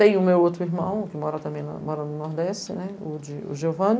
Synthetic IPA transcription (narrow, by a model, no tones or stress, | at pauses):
t̪ẽj̃ʊmewot̪ɾʊiɾmɐ̃w̃kɪmɔɾɐt̪ɐ̃bẽj̃nɐ̰mɔɾɐnʊnɔɾd̪ɛst͡ʃɪnɛʊd͡ʒɪṵʒovɐ̃n